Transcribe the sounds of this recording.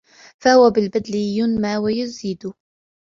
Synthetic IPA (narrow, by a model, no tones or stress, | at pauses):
fahʊwabɪlbad̪lɪjʊnmaːwajʊziːd̪ʊ